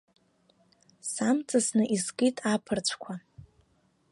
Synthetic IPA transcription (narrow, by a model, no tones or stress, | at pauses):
samt͡sʼasnɨʔizkʼitʼapʰɨrt͡ɕʷʰkʷʰa